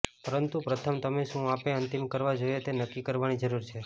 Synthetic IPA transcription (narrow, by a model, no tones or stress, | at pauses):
pəɾənt̪upɾət̪ʰəmt̪əmeʃũapeənt̪imkəɾʋad͡ʒojet̪enəkːikəɾʋanid͡ʒəɾuɾt͡ʃʰe